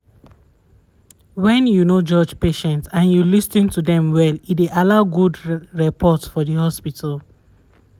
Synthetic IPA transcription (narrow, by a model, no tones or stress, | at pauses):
wɛ̃njunod͡ʒɔd͡ʒpeʃɛ̃ntsãnjulisnĩntudɛ̃mwɛlitweʔalaʊɡudɹɛpʰɔtsfɔðəhɔspitʰəl